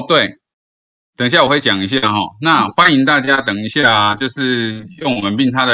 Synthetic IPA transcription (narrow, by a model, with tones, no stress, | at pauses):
t̪we˥˩ɪ | t̪ə˨˩ŋ˧˦ɕja˥˩wxwe˥˩ɪt͡ɕjɑ˨˩ŋi˧˥ɕ̬ja˥˨˩xɔ˥˩na˥˨xwa˦ni˧˥ŋt̪̬a˥˩t͡ɕja˦t̪ə˨˩ŋi˧˦ɕja˥˩t͡ɕjo˥˧ʊʂɻ̩˥˧jʊ˥˩ŋwɔ˨˩mə˨˦npi˥˧ŋʈ͡ʂʰa˥d̪ə˨